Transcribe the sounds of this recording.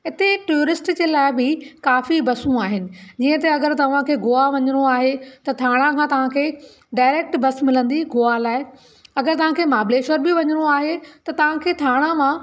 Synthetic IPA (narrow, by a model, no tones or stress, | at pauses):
ɪt̪eʈuəɾɪsʈd͡ʑeːlaːɪbɪkaːfibɐsũaːɦɪnɪ̆d͡ʑiːə̃t̪ɐɐɡəɾt̪ɐʋ̤ãkʰeːɡoːaʋɐɲəɽ̃oaːɦet̪ɐt̪ʰaːɽ̃ãkʰãːt̪ɐʋ̤ãkʰeː | ɖaːɪɾeːk̚ʈbɐsmɪlə̃nd̪iɡoːalaːɪ | ɐɡəɾt̪ɐʋ̤ãkʰeːmaːbleːʃəɾbɪʋɐɲəɽ̃oaːɦet̪ɐt̪ɐʋ̤ãkʰeːt̪ʰaːɽ̃ãmã